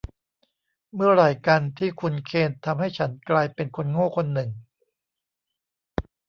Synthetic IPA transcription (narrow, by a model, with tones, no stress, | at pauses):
mɯ˥˩ɐɾaː˨˩jka˧nt̪ʰiː˥˩kʰu˧nkʰeː˧nt̪ʰa˧mha˥˩jt͡ɕʰa˦˥nklaː˧jpe˧nkʰo˧nŋoː˥˩kʰo˧nːɯ˨˩ŋ